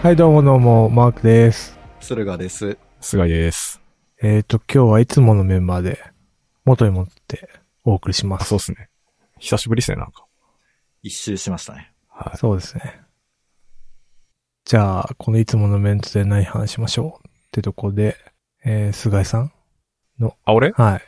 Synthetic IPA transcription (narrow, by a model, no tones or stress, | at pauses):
haid̪o̞ːmo̞d̪o̞ːmo̞maːkɯ̟d̪e̞sɨ̥ | sɨɾɯ̟ɡad̪e̞sɨ | sɨɡaid̪esɨ̥ | eːt̪o̞kʲo̞ːβait͡sɨmo̞no̞mẽ̞mbaːd̪e̞ | mo̞t̪o̞ɲʲimot̪o̥t̪ːe̞̥ | o̞ːkɯ̟ɾʲiɕimassoːsɨne | çi̥saɕibɯɾʲisɨnenã̰ŋkḁ | iɕːɨːɕimaɕi̥t̪a̰ne | ha̰so̞ːd̪e̞sɨ̥ne̞ | d͡ʑaːkʰo̞no̞it͡sɨmo̞no̞mbẽ̞nt̪od̪e̞naɲihanaɕiɕimaɕo̞ːt̪ːet̪okoɾd̪e̞ː | sɨɡaisãŋ | noaoɾehai